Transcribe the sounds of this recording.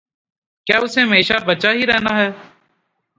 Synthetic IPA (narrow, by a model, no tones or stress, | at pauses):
kjaːʊseːɦmeːʃaːbət͡ʃaːɦiːɾɛːnaːɦɛː